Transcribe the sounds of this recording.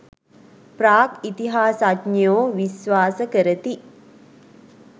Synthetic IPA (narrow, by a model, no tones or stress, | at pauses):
praːkit̪iɦaːsadnjoːʋisʋaːsəkəɾət̪i